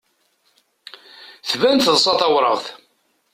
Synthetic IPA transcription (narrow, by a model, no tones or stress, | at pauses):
θvænθəðˤsˤɑt̪ˤɑwɾˤə̰ʁθ